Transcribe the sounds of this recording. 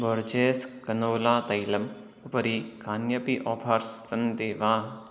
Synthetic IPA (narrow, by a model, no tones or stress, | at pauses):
boɾd͡ʒeːskɐnoːlaːt̪ɐjlɐm | ɐpɐɾikaːnjɐpiʔɔːfʰɐɾssɐnd̪eːʋãː